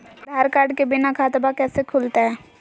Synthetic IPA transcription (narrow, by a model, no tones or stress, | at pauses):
bʱaːɾkaːɾɖkebɪnakʰaːt̪bakɛːsekʰuːlt̪aɦɛː